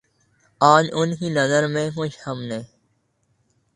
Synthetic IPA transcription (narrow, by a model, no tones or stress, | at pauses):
aːd͡ʒʊnɦiːnəzəɾmẽːmʊt͡ʃhəmnẽː